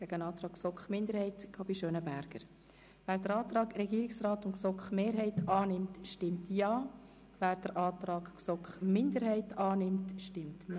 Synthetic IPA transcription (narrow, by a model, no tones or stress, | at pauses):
ɡ̥ɛɡənɑːt̪ɾɑːkksɔkχmɪndəɾhɛɪtkʰɑb̥iʃøːnəbæɾɡ̥ə̰ɾ | ʋæːɾd̥əɾɑːt̪ɾɑːɡɾɛɡiːɾɪksrɑːtʊnksɔkχmeːɾɦɛɪtɑːnɪmtʃtɪmtjɑː | væːɾd̥əɾʔɑːtɾɑːɡksɔkχmɪndəɾhɛɪtʰɑːnɪmtʃtɪmtn